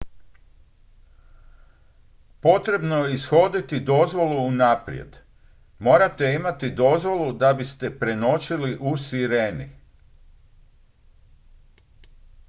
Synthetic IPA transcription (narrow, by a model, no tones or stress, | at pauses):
po̞t̪ɾe̞bno̞jeisxo̞d̪it̪id̪o̞zʋo̞lˠuːnapɾj̰ḛd̪ | mo̞ːɾat̪e̞imat̪id̪o̞zʋo̞lˠud̪abist̪e̞pɾe̞no̞t͡ʃiliʔusiɾe̞ːnḭ